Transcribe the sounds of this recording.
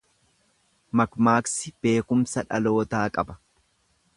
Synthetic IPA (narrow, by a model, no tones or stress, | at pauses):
mɐkmaːksɪb̥e̞ːkʊmsɐᶑɐ̰lo̞ːt̪aːkʼɐbɐ̥